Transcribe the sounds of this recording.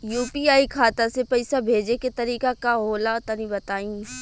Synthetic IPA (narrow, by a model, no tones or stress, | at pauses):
juːpiaːikʰaːt̪ãsepɐɪsabʱeːd͡ʒeket̪ɐɾiːkakaɦoːlaʊt̪anĩbɐt̪aːĩː